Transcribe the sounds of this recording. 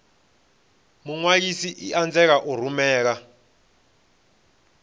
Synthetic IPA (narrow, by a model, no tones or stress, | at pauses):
muŋwak̬isiʔiʔand͡zɛk̬aʔur̤umɛːk̬a